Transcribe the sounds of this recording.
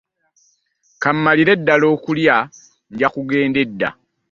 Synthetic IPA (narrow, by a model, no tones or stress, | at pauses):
kamːaliɾe̞dːalo̞ːkulja | ɲɟakuɡe̞ːnde̞dːa̰